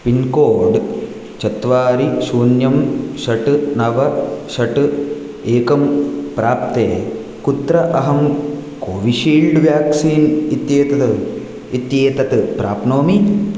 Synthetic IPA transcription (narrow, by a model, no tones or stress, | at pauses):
pinkoːɖ | t͡ʃɐt̪ʋaːɾiʃuːnjɐmʃɐʈɨnɐʋɐʃɐʈɨ | eːkɐmpɾaːp̚t̪eː | kut̪ɾɐʔɐɦɐmkoːʋiʃiːɭɖʋjaːksiːnit̪jeːt̪ɐ | it̪jeːt̪ɐt̪pɾaːpnoːmi